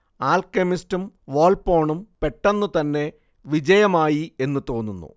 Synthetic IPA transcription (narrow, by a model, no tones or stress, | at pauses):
aːlkemistumʋo̞ːlpo̞ːɳumpe̞ʈːɐnːut̪ɐnːe̞ | ʋid͡ʑɐjɐmaːjie̞nːut̪o̞ːnːunːṵ